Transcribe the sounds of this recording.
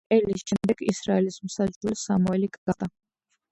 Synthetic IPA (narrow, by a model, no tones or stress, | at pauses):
ɛlisʃɛmd̪ɛɡḭsɾaɛlismsaulisamuɛlikɡ̥ad̪a